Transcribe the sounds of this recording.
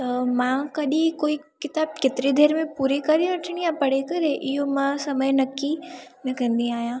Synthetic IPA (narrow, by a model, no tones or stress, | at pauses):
t̪ɐmãkɐɗĩkoːikɪt̪aːb̚kɪt̪ɪɾid̪ʱeːɾmẽpuːɾekɐɾeʋɐʈʰɪɽ̃ijãpɐɽ̤ekɐɾeʔɪɦomãsɐməjnɐkːinɐkʰə̃n̆d̪iaːɦjãː